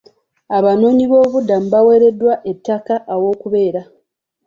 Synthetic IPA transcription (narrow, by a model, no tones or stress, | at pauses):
aβano̞ːɲiβo̞ːβudːam̩bawe̞ɾe̞dːwaʔe̞tːakaʔːwo̞ːkuβe̞ːɾa